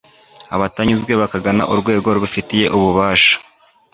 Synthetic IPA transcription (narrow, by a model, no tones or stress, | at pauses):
aβataɲizɡwe̞βakaɡana̰ʔuɾɡwe̞ːɡo̞ɾuβufitije̞ʔuβuβaːʃḁ